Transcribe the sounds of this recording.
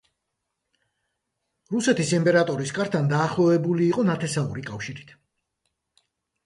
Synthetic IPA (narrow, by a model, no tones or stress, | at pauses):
ɾusɛt̪ʰisimpʼɛɾat̪ʼɔɾiskʼaɾt̪ʰand̪aːχlˠɔvɛbuliːqʼɔnat̪ʰɛsaṵɾikʼafʃiɾit̪ʰ